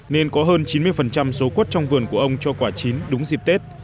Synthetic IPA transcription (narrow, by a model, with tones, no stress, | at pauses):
ne˧nkɔ˨˦ɦəː˧nt͡ɕi˨˦nmɨ˧əjfə˨˩nt͡ɕa˧mso˨˦kwt̚t͡ɕɔ˧wŋ͡mvɨ˨˩ənku˧˩əʔə˧wŋ͡mt͡ɕɔ˧kwaː˧˩t͡ɕi˨˦nɗʊ˨˦ŋ͡mzi˨˩p̚t̪e˦˥t̚